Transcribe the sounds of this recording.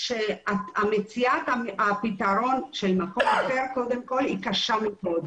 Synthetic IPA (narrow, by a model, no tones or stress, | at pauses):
ʃeaamet͡siat̪aapit̪aʁo̞nʃelmako̞maχeʁko̞d̪emko̞likaʃameʔod̪